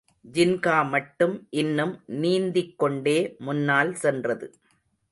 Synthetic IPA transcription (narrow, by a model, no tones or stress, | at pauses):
d͡ʒɪnkaːmɐʈːɯmʔɪnːɯmniːnd̪ɪkːɔɳɖeːmʊnːaːlsɛndrɐðɯ